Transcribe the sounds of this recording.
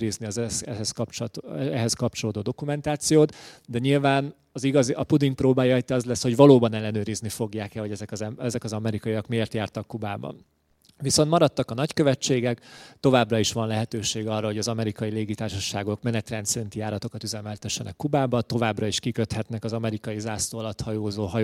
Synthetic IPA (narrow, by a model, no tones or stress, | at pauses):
ɾizniɒzɛɛɦɛskɒpt͡ʃɛɦɛskɒp̚t͡ʃo̞loːd̪oːd̪o̞kumɛnt̪aːt̪sijoːt̪d̪ɛɲilvaːn | ɒziɡɒziʔɒpud̪iŋk̚proːbaːjɒjt̪iɒzlɛsho̞ɟvɒloːbɒnɛlːɛnøːɾiznifo̞ɡjaːkɛho̞ɟɛzɛkzɛɛzɛkɒzɒmɛɾikɒjiɒkmieːrt̪jaːrt̪ɒkːubaːbɒ̰n | viso̞nt̪mɒɾɒt̪ːɒkɒnɒckø̞vɛt͡ʃːeːɡɛkt̪o̞vaːbrɒiʃʋɒnlɛɦɛt̪øːʃeːɡɒrːɒɦo̞ɟɒzɒmɛɾikɒjileːɡit̪aːrʃɒʃaːɡo̞kmɛnɛt̪rɛnt̪sɛɾint̪ijaːɾɒt̪o̞kɒt̪yzɛmɛlt̪ɛʃːɛnʔɛ̰kːubaːbɒt̪o̞vaːbrɒiʃkikøt̪hɛt̪nɛkɒzɒmɛɾikɒjizaːsloːlɒt̪hɒjoːzoːɦɒj